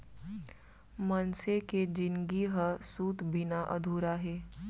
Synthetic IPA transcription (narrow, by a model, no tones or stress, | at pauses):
mənseked͡ʒɪnɡiɦəsuːt̪bɪnaʔə̰d̪ʱuːɾaɦɛː